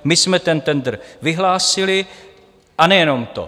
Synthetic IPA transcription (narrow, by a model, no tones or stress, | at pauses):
mɪsmɛt̪ɛnt̪ɛnd̪r̩vɪɦlaːsɪlɪ | ʔanɛjɛno̞mt̪o̰